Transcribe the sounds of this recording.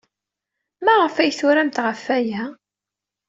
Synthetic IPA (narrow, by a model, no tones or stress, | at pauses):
mæʁəfæjθʊɾæmt̪ʁəfːæjæ